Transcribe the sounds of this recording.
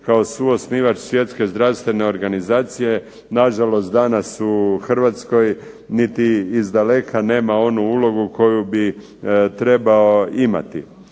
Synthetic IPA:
kaosuo̞sniːʋat͡ʃsʋje̞t̪ske̞zd̪ɾawst̪ʋe̞ne̞o̞ɾɡanizaːt̪sije̞ | naʒalo̞st̪̚d̪anasuxr̩ʋat̪sko̞j | nit̪iːzd̪ale̞kʰane̞ːmao̞nuulo̞ɡuko̞jubi | t̪ɾe̞bao̞ima̰t̪ḭ

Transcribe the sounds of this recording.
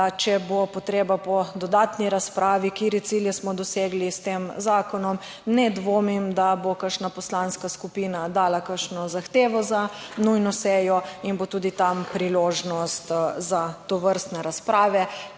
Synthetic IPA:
t͡ʃɛbopɔt̪ɾeːbapɔd̪ɔd̪aːt̪niɾaspɾʔaːʋikiːɾit̪siljɛsmɔd̪ɔseːɡlist̪emzaːkɔnɔm | nɛd̪ʋoːmimd̪abokəʃnapɔslanskaskupiːnad̪aːlakəʃnɔzaxt̪eːʋɔza | nujnɔsɛjɔinbot̪uːd̪it̪ampɾiloːʒnɔst̪zat̪oʋəɾst̪nɛɾaspɾaːʋɛ

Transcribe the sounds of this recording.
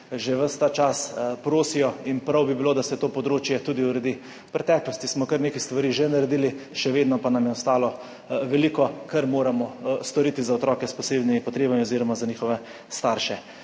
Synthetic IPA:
ʒɛʋəst̪aːt͡ʃaspɾoːsijɔinpɾawbibiloːd̪asɛt̪oːpɔd̪ɾoːt͡ʃjɛt̪uːd̪iuɾɛd̪i | pɾɛt̪ɛːklɔst̪ismɔkəɾneːkast̪ʋaɾiʒɛnaɾɛd̪iːliʃɛʋeːd̪nɔpanamjɛɔst̪aːlɔ | ʋɛliːkɔkɐɾmoːɾamɔst̪ɔɾiːt̪izaɔt̪ɾɔːkɛspɔseːbnimipɔt̪ɾeːbamiɔziːɾɔmazaniːxɔʋɛ | st̪aːɾʃɛ

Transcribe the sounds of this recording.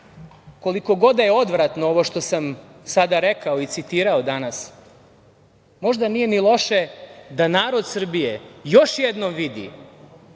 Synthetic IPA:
ko̞liko̞ɡo̞d̪ajeo̞d̪ʋɾat̪nooʋo̞ʃt̪o̞samsad̪aɾe̞kaoit̪sit̪iːɾaod̪anas | mo̞ʒd̪anije̞nilˠo̞ʃed̪anaːɾo̞d̪sr̩bijejoʃjed̪nomʋid̪ḭ

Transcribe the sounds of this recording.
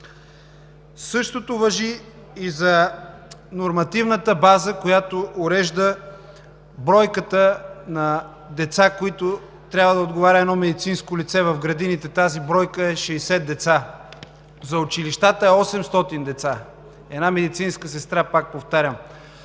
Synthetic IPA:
sɤʃt̪ot̪ovɐʒiː | zɐ | noɾmɐt̪ivnət̪əbazəkojat̪oʔːɾɛʒd̪ə | bɾɔjkət̪ənɐ | d̪ɛt̪sakoit̪o | t̪ɾʲabvəd̪ɐod̪ɡovaɾʲəɛnɔmɛd̪it̪sinskolit̪sɛvɐvɡɾɐd̪init̪ɛt̪azibɾɔjkəɛʃɛɛsɛt̪d̪ɛt̪sa | zɐʊt͡ʃiliʃt̪at̪əɛɔsɛmst̪ɔt̪ind̪ɛt̪sa | ɛ̰namɛd̪it̪sinskəsɛst̪ɾapak̚poft̪aɾʲəm

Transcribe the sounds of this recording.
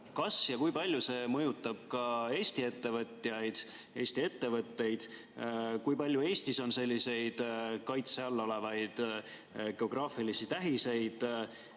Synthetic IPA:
kɑsjɑkujpɑlʲjuse̞mɤjut̪ˑːɑb̥kɑe̞ːst̪ie̞t̪ːe̞vɤt̪ːˑjɑjd̪̥ | e̞ːst̪ie̞t̪ːe̞vɤt̪ːe̞jd̪̥ | kujpɑlʲjue̞ːst̪iso̞nse̞lʲːise̞jd̪̥kɑjt̪seɑlːo̞le̞vɑjd̪̥ | ɡ̥e̞o̞ɡ̥rɑːfilisit̪æɦise̞jd̪̥

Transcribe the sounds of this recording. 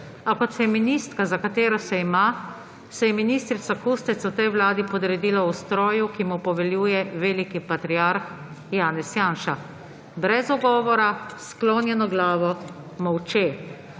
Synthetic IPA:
akɔt̪sɛjɛminiːst̪kazakat̪eːɾɔsɛima | sɛjɛminiːst̪ɾit̪sakust̪ɛt̪swt̪ɛjwlaːd̪ipɔd̪ɾɛd̪iːlaust̪ɾɔːjukimupɔʋɛljuːjɛʋeːlikipat̪ɾiaɾx | jaːnɛsjaːnʃa | bɾɛzɔɡɔːʋɔɾasklɔːnjɛnɔɡlaːʋɔ | mɔwt͡ʃeː

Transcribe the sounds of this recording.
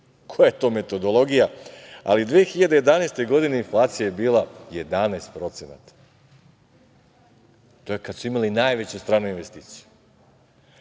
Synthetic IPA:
kʰojajet̪o̞ːme̞t̪o̞d̪o̞lˠo̞ɡijaa̰lid̪ʋeːxiʎad̪e̞je̞d̪anaest̪e̞ɡo̞d̪ine̞inflˠaːt̪sijajebiːlaje̞d̪aneːst̪̚pɾo̞t̪sena̰t̪ḁ | t̪oːjekad̪suimalinaːjʋet͡ɕust̪ɾaːnuinʋe̞st̪iːt̪si̥ju̥

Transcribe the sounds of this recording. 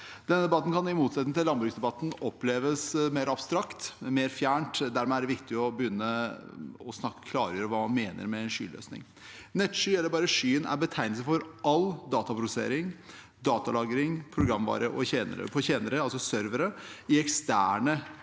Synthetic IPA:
d̪̥ɛnəd̪ɛbɑt̪ːn̩kʰɑnɪmuːt̪sɛt̪nt̪ɪlːɑnbɾʉksd̪ɛbɑt̪ːn̩ɔpːleːʋəsmeːɾɑbst̪ɾɑkt̪meːɾfjæːɳʈd̪æɾmɛæɖɛʋɪkt̪ɪɔbəjʏnːə | ɔsnɑkːə̥kʰlɑːɾəjøːɾəʋɑːmɑnmeːnə̰ɾmɛːnʂy̰ːlø̰ːsnɪ̰ŋ | nɛt̪ːʂyːɛlːəɾbɑːɾəʂyːənæ̰ɾbət̪ʰæɪnəsəfɔɾɑld̪ɑːt̪ɑpʰɾʊsəsḛːɾɪŋ | d̪ɑːt̪ɑlɑːɡɾɪŋpʰɾʊɡɾɑmʋɑ̰ːɾəʔɔçeːnə̰ɾə̰pʰɔçeːnəɾəɑlsɔsœɾʋəɾəɪɛkst̪æ̰ːɳə

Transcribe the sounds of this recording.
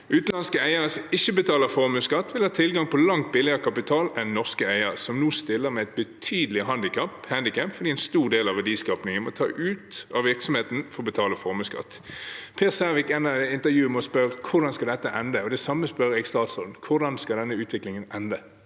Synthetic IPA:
ʉːt̪n̩ɑnskəæɪəɾəsɔmɪçːəbət̪ʰɑːləfɔʁmʉːskɑt̪ːʋɪlhɑːt̪ʰɪlɡɑŋpʰɔlɑŋt̪̚bɪlɪəəkʰɑpɪt̪ʰɑːlɛnːɔʁskəæɪəɾsɔmnuːst̪ɪlːəmɛæɪt̪̚bət̪ʰyːd̪əlɪɦɑnd̪ɪkʰɑpːhænd̪ɪkæmpfɔd̪iːɛɪnst̪uːʁd̪eːlɑʋæd̪iːskɑːpnɪŋənmɔt̪ʰɑ̰ːʔʉːt̪ɑʋɪʁksɔmheːt̪n̩fɔʁɔbət̪ʰɑːləfɔʁmʉːskɑ̰t̪ːpʰeːʁsæʋɪkɛnːəɪnt̪əʁjʉːəməɔspœɾkʰʊʁd̪ɑnskɑld̪ɛt̪ːəʔɛnd̪əɔd̪ɛsɑmːəspœɾɪɡst̪ɑːt̪sʁoːd̪n̩kʰʊʁd̪ɑnskɑld̪ɛnːəʉːt̪ʰʋɪklɪŋənɛnd̪ə

